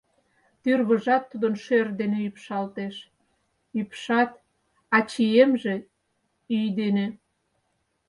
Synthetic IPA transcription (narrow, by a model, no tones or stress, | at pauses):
t̪yrβəʒɑt̪ːud̪ənʃørd̪eneypʃɑlt̪eʃ | ypʃɑt̪̚ | ɑt͡ɕiemʒe | yjd̪ene